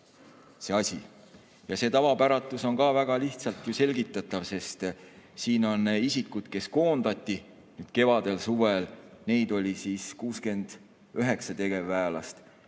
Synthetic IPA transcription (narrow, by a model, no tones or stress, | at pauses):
se̞ɑsʲi | jɑse̞ːt̪ɑvɑpæɾɑt̪ːˑuso̞nkɑːvæɡ̥ɑliht̪sɑlt̪juse̞lʲɡit̪ːˑɑt̪ˑːɑvse̞st̪siːno̞nːisikːˑud̪̥ke̞sko̞ːnd̪̥ɑt̪ʲːi | nyːd̪̥ke̞vɑd̪̥e̞lsuvelne̞jd̪̥o̞lʲisiːskuːske̞nd̪̥ | øɦe̞ksɑt̪e̞ɡ̥e̞vːæːlɑ̰st̪